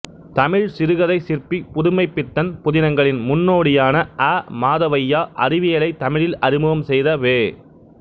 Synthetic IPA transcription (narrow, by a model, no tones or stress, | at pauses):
t̪ɐmɪɻsɪɾɯɣɐðɐɪsɪrpipʊðʊmɐɪpːɪt̪ːɐnpʊðɪnɐŋɡɐɭɪnmʊnːoːɽɪjaːnɐʔaːmaːðɐʋɐjːaːʔɐɾɪʋɪjɐlɐɪt̪ɐmɪɻɪlɐɾɪmɯʋɐmsɛjðɐʋeː